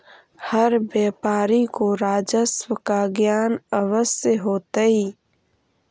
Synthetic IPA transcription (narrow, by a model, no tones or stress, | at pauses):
həɾbjeːpaːɾikoɾaːd͡ʒəswəkaɡjaːnəwəsjəɦoːt̪aiː